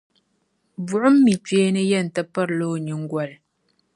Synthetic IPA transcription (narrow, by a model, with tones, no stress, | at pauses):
b͡vu˨ʔə˦m̩ː˦i˨t͡ʃɥe˦nə˦jɛ˦˨n̩˨tə˦pə˦ɾloː˦˨ɲɨ˨ŋ̩˦ɡwa˨l